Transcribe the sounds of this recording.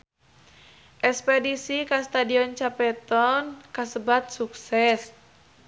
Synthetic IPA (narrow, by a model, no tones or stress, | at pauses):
ʔɛspɛdisikast̪adiɔnt͡ʃapɛt̪ɔnkasəbat̪̚suksɛs